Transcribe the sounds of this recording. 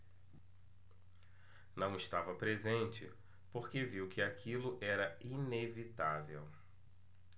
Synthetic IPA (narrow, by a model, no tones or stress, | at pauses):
nɐ̃w̃ɪst̪avɐpɾezẽnt͡ʃɪ̰ | poɾkeviwkɪakʰilʊʔɛɾɐinevit̪avḛw